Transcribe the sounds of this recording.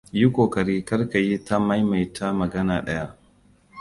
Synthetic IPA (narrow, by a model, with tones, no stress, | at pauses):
ji˦kʷoː˨kɐ˨ɾiː˦kɐ˦rka˨ji˦ta˦mɐ˦jma˨jtʰa˦mɐ˨ɡɐ˦naː˨ɗɐ˦ja˦ʔ